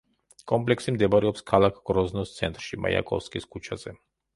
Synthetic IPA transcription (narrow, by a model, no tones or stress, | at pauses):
kʼɔmpʼlɛksimd̪ɛbaɾɛɔpskʰalˠakʰɡ̥ɾɔznɔst̪sʰɛnt̪ʼɾʃima̰ja̰kʼɔ̰fskʼiskʰut͡ʃʰazɛ